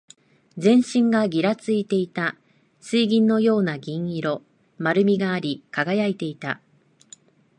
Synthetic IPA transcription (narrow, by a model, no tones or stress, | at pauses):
d͡zẽ̞ɰ̃ɕĩŋɡaɡʲiɾat͡sɨit̪e̞it̪a | sɨiɡʲĩnːo̞jo̞ːnaɡʲĩɰ̃iɾo̞ | maɾɯ̟mʲiɡaːɾʲikaɡajait̪e̞it̪a̰